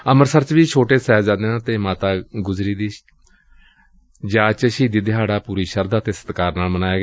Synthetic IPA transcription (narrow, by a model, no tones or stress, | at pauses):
əməɾsəɾt͡ʃʋiːt͡ʃʰoːʈeːsɛːd͡ʒãːd̪eːãːt̪eːmaːt̪aːɡʊzɾiːd̪iː | d͡ʒaːt͡ʃʃiːd̪iːd̪ɪɦaːɽaːpuːɾiːʃəɾd̪aːt̪eːsə̥t̪kaːɾnaːlmənaːeːɡː